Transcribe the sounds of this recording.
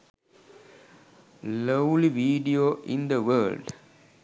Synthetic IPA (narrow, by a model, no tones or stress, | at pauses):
loʊliʋiːɖioʔĩnd̪əʋəːlɖ